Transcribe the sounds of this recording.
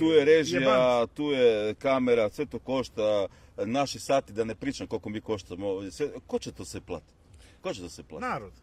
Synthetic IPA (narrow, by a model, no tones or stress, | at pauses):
t̪uːjeɾeʒijat̪uːjekameɾasʋe̞t̪oko̞ʃt̪anaʃisat̪id̪anepɾiːt͡ʃamko̞lko̞miːko̞ʃt̪amosʋekot͡ɕet̪osʋeplˠa̰ːt̪i̥t̪kot͡ɕet̪osʋeplˠa̰naɾod̪